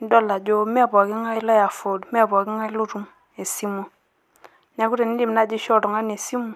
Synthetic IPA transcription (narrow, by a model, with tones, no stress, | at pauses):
n˦dɔ˦˨la˨d͡ʒo˦mɛ˦˨bɔ˨ki˦ŋa˦lɔ˦ja˨fo˨dmɛ˦˨bɔ˨kɪ˦ŋa˦lo˦ɾu˦m | e˨si˦mu˦˨ | ɲa˦ku˦ɾe˨ni˦di˦˨m˨na˦d͡ʒi˦ʃɔ˦ɾɔ˨ŋa˦ne˨si˦mu˨